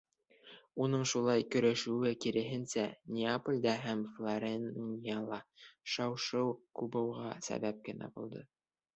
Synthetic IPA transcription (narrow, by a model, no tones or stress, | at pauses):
unɤɴʃulˠɑjkɵ̆ɾæʃʉwɘkiɾɘ̆ɦɘ̆nsænʲeapolʲd̪ɑɦæmflˠoɾʲennɑlˠɑʃɑwʃɤwkubɤ̆wʁɑsæ̰βæp̚kɘ̆næ̰bulˠd̪ɤ